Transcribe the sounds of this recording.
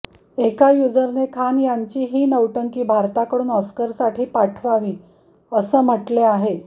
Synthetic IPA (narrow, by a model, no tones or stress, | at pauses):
ekajud͡zəɾnekʰanjaɲt͡ɕiːɦiːnəʋʈəŋkiːbʱaɾt̪akəɽuːnɔskəɾsaʈʰiːpaʈʰʋaʋiː | əsəːm̤əʈleaɦe